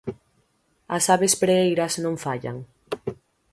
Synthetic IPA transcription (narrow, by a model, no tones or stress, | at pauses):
asaβespɾeejɾasnõɱfaʎa̰ŋ